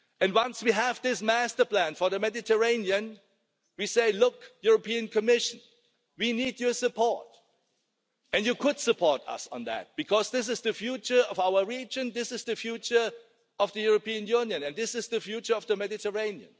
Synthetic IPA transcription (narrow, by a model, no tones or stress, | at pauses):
ɨ̃nwʌ̃nswiævðɪsmæstə˞pl̥æ̃nfɔ˞ðəmɛdɪtʰə˞ẽɪ̃niɨ̃n | wiseɪlʊkjʊɹəpʰiɨ̃nkʰɨmɪʃɨ̃n | winidjə˞sɨpʰɔɹt | ɨ̃njɨkʰʊd̥sɨpʰɔɹtʌ̰sn̩ðæ̰t̚b̥ɨkʰɔzðɪs̬ɨzðɨfjut͡ʃə˞ʌvaʊə˞ɹid͡ʒɨ̃nðɪsɨzðɨfjut͡ʃə˞ | ʌvðɨjuɹəpĩɨ̃njũnjɨ̃nɨ̃nðɪsɨzðɨfjut͡ʃə˞ʌvðəmɛdɨtʰəɹẽɪ̃niɨ̰̃n